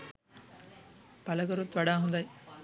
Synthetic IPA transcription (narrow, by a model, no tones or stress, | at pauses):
pɐlɐɡɐɾut̪ʋɐɽaːɦund̪ɐj